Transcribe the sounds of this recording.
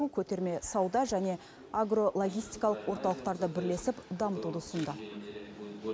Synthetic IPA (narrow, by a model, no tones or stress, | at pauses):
ukʲʰɵt̪e̞ɾme̞sɑwd̪ɑʒæne̞ | aɡro̞lˠo̞ɡʲijst̪ijkɑlˠəqwo̞ɾt̪ɑlˠəq̚t̪ɑɾd̪əbɪɾle̞sɪpd̪ɑmət̪ud̪əsənd̪ɑ